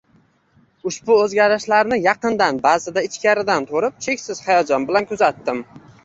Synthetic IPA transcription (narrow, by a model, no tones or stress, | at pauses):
ʊʃbʊɵzɡʲaɾɪʃlaɾnɪjɑqɨnd̪anbazɪd̪aɪt͡ʃkʲaɾɪd̪ant̪ʰoɾɪp̚t͡ʃʰe̞kʲsɪz̥hajɒd͡ʒɒnbɪlankʲʰʊzat̪ːɪm